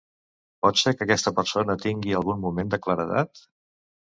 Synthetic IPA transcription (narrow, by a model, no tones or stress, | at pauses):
pɔt̪seɾkəkɛst̪əpəɾsonət̪iŋɡiəlˠɣunmumend̪əkləɾəða̰t̪